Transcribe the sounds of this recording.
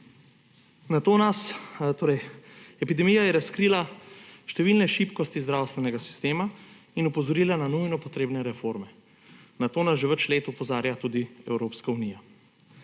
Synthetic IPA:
nat̪oːnast̪oːɾɛjɛpid̪ɛmijajɛɾaskɾiːlaʃt̪ɛʋilnɛʃipkɔst̪izd̪ɾaːwst̪ʋɛnɛɡasi̥st̪eːma | inupɔzɔɾiːlananujnɔpɔt̪ɾeːbnɛɾɛfoɾmɛ | nat̪oːnasʒɛʋət͡ʃleːt̪upɔzaːɾjat̪uːd̪iɛwɾoːpskauniːja

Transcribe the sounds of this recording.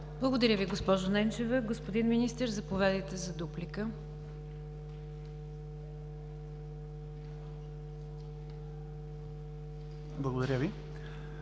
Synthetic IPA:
blˠəɡod̪ɐɾʲəviɡospɔʒonɛnt͡ʃɛvəɡospod̪inminist̪əɾzɐpovɛd̪it̪ɛzɐd̪uplikə | blˠɐɡod̪ɐɾʲəvi

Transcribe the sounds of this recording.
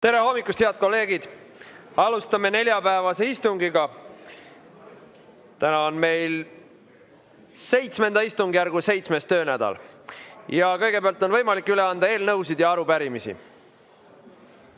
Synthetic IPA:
t̪e̞ɾeɦo̞mːikːˑust̪heɑd̪̥̚ko̞lːe̞ːɡ̥id̪̥ | ɑlust̪ɑme̞ne̞lʲjɑpæevɑse̞ist̪uŋɡiɡ̥ɑ | t̪ænɑonme̞jl | se̞jt̪sme̞nd̪ɑist̪uŋɡijæɾrɡ̥use̞jt̪sme̞st̪øːnæd̪̥ɑ̰l | jɑkɤjɡe̞peɑlt̪ːˑo̞nvɤ̞jmɑlikːˑyle̞ɑnd̪ɑe̞ːlnɤwsid̪̥jɑɑɾupæɾimisḭ

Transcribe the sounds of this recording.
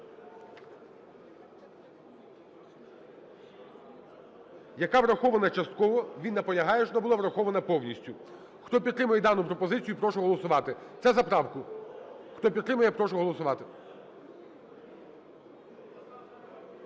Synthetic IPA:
jɐkɑʋɾɐxɔʋɐnɐt͡ʃɐst̪kɔʋɔʋʲinːɐpɔlʲɐɦɑjɛʃɔnɔbʊlˠaʋɾɐxɔʋɐnɐpɔwnʲisʲtʲʊ | xt̪ɔpʲid̪ɾɪmʊjɛd̪ɑnʊpɾɔpɔzɪt͡sʲijʊpɾɔʃʊɦɔlˠɔsʊʋɑt̪ɪt̪sɛzɐpɾɑwkʊ | xt̪ɔpʲid̪t̪ːɾɪmɐjɛpɾɔʃʊɦɔlˠɔsʊʋɑt̪ɪ̥

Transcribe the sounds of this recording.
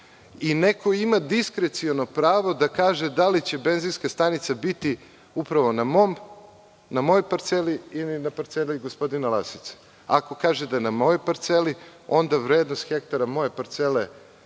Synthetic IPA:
ineko̞imad̪iskɾet̪siono̞pɾaːʋo̞d̪akaːʒed̪alit͡ɕe̞be̞nzinskast̪anit̪sabit̪i | upɾaʋo̞namom | namo̞jojpaɾt̪seliilinapaɾt̪seliɡospo̞d̪inalˠasi̥t̪se̥ | ako̞kaːʒed̪ajenamo̞jojpaɾt̪selio̞nd̪aʋɾeːd̪nost̪xe̞kt̪aɾamo̞je̞paɾt̪sele

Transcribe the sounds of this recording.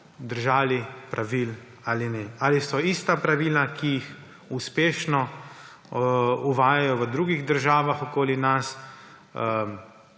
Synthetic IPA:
d̪əɾʒaːlipɾʔaʋil | aːlinɛalisɔist̪apɾaʋilakijix | uspeːʃnɔ | uʋaːjajɔʋəd̪ɾuːɡiɣd̪əɾʒaːʋaxɔkoːlinas | ə

